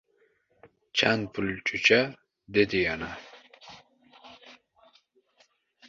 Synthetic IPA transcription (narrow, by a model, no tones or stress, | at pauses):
t͡ʃʰanpʰult͡ʃʼut͡ɕʰa | d̪ed̪ijana